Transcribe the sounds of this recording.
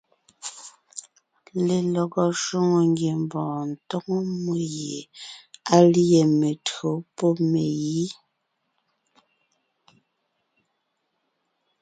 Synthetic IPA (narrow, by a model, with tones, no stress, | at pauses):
le˨lɔ˨ɡɔ˨ʃo˦ŋo˨ŋɡje˨mbɔ̃ː˨n̩˨to˦ŋo˦mo˦je˨a˦li˦je˨me˨tɰo˨˦po˦me˨ji˦